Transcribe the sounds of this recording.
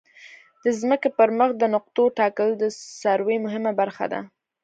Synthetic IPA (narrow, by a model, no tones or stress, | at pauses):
d̪̥əzməkepəɾməxd̪ənʊq̚t̪oʈɑkəld̪əsaɾwejmʊɦɪmabaɾxa̰d̪a̰